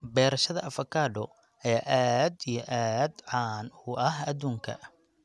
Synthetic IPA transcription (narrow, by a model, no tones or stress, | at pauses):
bɛːɾɐʃɐðɐʔɐfɐkʰaːɖɔ | ɛːʔaːd̪ijɔʔaːd̪ʕɑːnʊʔɐɦɐd̪uːŋkʰɐ̰